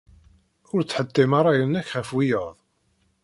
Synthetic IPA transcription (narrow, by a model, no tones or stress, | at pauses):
ʊɾt͡sːħəd̪ːimaɾˤɑjənːæçχæfwijəðˤ